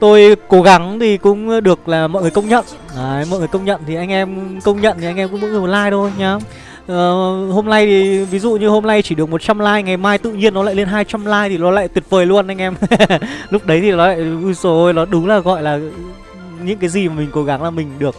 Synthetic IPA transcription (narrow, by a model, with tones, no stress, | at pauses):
t̪o˧jko˨˦ɣa˨˦ŋt̪ʰi˨˩kʊ̰˧˥ŋ͡mɗɨ˨˩ək̚laː˨˩mɔ̰ː˧˨jŋɨ˨˩ə˩kə˧wŋ͡mɲə̰˧˨n | aː˨˩mɔ̰˧˨jŋ˨˩kə˧wŋ͡mɲə̰˧˨nt̪ʰi˨˩ʔa˧jŋ̟ʔɛ˧mkə˧wŋ͡mɲə̰˧˨nt̪ʰi˨ʔa˧ŋ̟ʔɛ˧mkʊ̰˧˥ŋ͡mɓɔ̰˧˥ɨ˨˩mo˨˩t̚laː˧jt̪ʰo˧jɲaː˨˦ | ʔəː˨˩ho˧mna˧jt̪ʰi˨˩vi˨˦zṵ˧˨ɲɨ˧ho˧mna˧jt͡ɕi˧˩ɨ˨ək̚mo˨˩t̚t͡ɕa˧mlaː˧jŋa˨˩jmaː˧jt̪ɨ̰˧˨ɲi˧ənːɔ˨˦la̰ː˧˨jle˧nɦaː˧jt͡ɕa˧mlaː˧jt̪ʰi˨˩nɔ˨˦la̰ː˧˨jt̪wi˨˩ət̚vəː˨˩jlu˧ənʔa˧jŋʔɛ˧m | lʊ˦˥k͡p̚ɗə˨˦jt̪ʰi˨˩nɔ˨˦la̰ː˧˨ju˧so˨˦nɔ˨˦ɗʊ˨˦ŋ͡mlaː˨˩ɣɔ̰˧˨jlaː˨˩ | ɲɨ̰˧˥ŋkaː˨˦jzi˨˩maː˨˩mï˨˩ŋ̟ko˨˦ɣa˨˦ŋlaː˨˩mï˨˩ŋ̟ɗɨ˨˩ək̚